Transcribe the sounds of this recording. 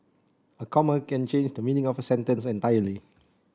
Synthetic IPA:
əkʰɔməkɛ̃nt͡ʃẽnd͡ʒdəminĩŋɔfəsɛ̃ntə̃nsɛ̃ntajəli

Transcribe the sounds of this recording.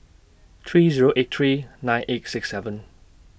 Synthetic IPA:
t̪ʰɹiːziɹoʔet̚tʰɹiːnãɪ̃nʔetsɪksɛvə̃n

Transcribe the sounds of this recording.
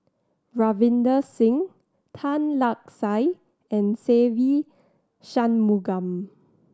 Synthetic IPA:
ɹavĩndəsĩŋ | tʰãnlak̚saj | ɛ̃nsevi | ʃãnmuɡãm

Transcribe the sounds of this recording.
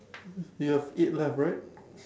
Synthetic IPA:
juɛviʔ̚lɛfɹaɪt̚

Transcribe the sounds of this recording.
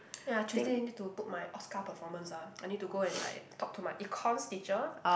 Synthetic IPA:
ɛ̃najt͡ʃʰistianid̚tuput̚majʔɔskapəfɔmə̃nsaajnit̚tːuɡoɛ̃nla̰ɪtʰɔk̚tʰumajʔikʰɔ̃nstit͡ʃə

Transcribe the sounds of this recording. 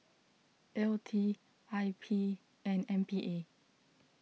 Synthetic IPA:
ʔɛltʰi | aɪpʰi | ɛ̃nɛ̃npʰiʔe

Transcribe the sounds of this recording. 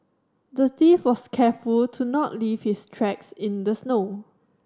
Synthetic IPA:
dətifwɔskʰɛfultʰunɔtliv̥histʰɹɛksɪ̃ndəsno

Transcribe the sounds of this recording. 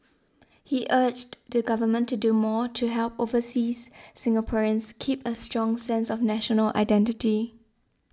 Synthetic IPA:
hiʔɜd͡ʒdəɡavəmə̃ntːudumɔtʰuɦɛlˠpovəsisːɪ̃ŋəpʰɔɹə̃nskʰipəstɹ̥ɔ̃ŋsɛ̃nsɔfnæʃənəla̰ɪdɛ̃ntɪti

